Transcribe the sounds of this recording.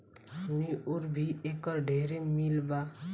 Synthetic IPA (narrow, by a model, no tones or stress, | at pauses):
ɦəmniʔʊɾbʱiʔeːkəɾɖʱeːɾemilba